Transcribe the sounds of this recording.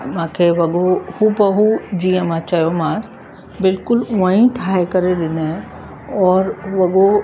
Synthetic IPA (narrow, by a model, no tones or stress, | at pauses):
mãːkʰeʋɐɡohubɐɦud͡ʒiãmãt͡ʃajomãːs | bɪlkʊluãːĩt̪ʰaːjekɐɾeɗɪne | ɔːɾʋɐɡo